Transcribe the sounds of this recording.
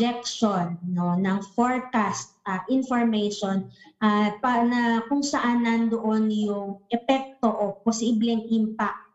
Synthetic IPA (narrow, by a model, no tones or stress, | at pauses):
ɛk̚ʃonːo̞nɐŋfoɹkast̪̚ɐʔɪnfoɹmɛjʃonʔapɐnɐkʊŋsɐʔanːɐnd̪oʔo̞njʊŋʔɛpɛk̚t̪o̞ʔoposiblɛŋʔimpak̚t̪̚